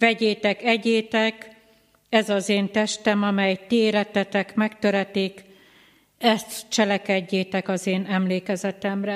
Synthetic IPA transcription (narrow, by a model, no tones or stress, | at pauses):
vɛɟeːt̪ɛkɛɟeːt̪ɛk | ɛzɒzeːnt̪ɛʃt̪ɛmɒmɛjt̪ieɾɛt̪ɛt̪ɛkmɛkt̪øɾɛt̪iːk | ɛst̪t͡ʃɛlɛkɛɟːeːt̪ɛkɒzeːnɛmleːkɛzɛt̪ɛmrɛ